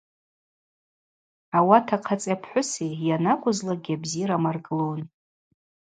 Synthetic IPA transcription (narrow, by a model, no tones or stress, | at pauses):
awatʰaqʰat͡sʼjapʰħʷʊsejanakʷʰʼʊzlaɡʲiabziɾamarɡɨlown